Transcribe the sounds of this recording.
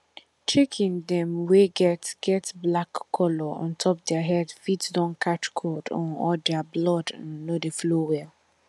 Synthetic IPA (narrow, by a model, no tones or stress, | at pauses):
t͡ʃekʰĩndɛ̃mweɡɛtɡ̥ɛtblakʰːɔlɔɔ̰̃ntʰɔp̚dɛaɦɛdfitdɔ̃nkʰat͡ʃkʰɔdɔ̰̃nɔldɛablɔdãnnodeflowɛ